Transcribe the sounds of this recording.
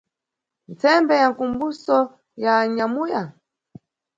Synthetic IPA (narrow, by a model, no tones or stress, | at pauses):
nt͡sɛmbɛjaŋkumbusɔ | jaɲamuja